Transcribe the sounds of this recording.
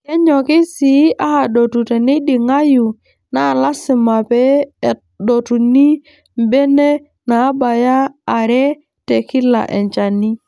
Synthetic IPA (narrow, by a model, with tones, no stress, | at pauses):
kɛ˦ɲɔ˨kɪ˦si˨˦ʔa˦ha˨do˨tu˨tɛ˨ni˦di˨ŋa˦ju˨ | na˦˨la˦sɪ˨ma˨pɛ˦˨ | do˨tu˨ni˦ | m˨be˦ne˦ | naː˨˦ba˨jaː˦˨ɾɛ˦ | te˨kɪ˦la̰˨ʔɛ̰˨ɲt͡ʃa˨ni˦